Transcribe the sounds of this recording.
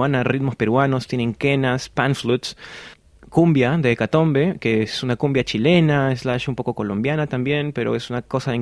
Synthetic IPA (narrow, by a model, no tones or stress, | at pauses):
anarid̪mo̞spe̞ɾwano̞st̪jenẽ̞ŋkenaspanflut̪s | kumbjaðekat̪o̞mbe̞keesunakumbjat͡ʃile̞naeslaaʃumpo̞ko̞ko̞lo̞mbjanat̪ambje̞npe̞ɾo̰esunako̞sae